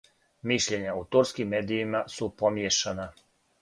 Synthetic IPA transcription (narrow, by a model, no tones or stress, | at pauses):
miʃʎe̞ɲaut̪uɾskimːeːd̪iːmasupo̞mjeʃana